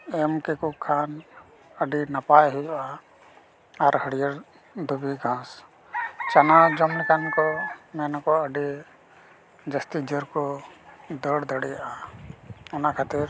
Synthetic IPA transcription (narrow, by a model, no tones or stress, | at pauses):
ɛmkɛkukʰan | əɖinapajɦujaʔa | aɾhəɽijəɾ | d̪ʱubiɡʱãs | t͡ʃanad͡ʒɔmɽɛkʰankɔmɛnakɔəɖi | d͡ʒəst̪id͡ʒəɾkɔ | d̪əɽd̪ʱəɽɛjaʔa | ɛnakʰat̪iɾ